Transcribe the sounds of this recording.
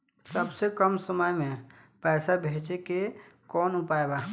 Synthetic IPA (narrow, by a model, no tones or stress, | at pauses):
səbsekəmsəməjmẽ | pɛːsabʱeːt͡ʃekekɔːnʊpaebaː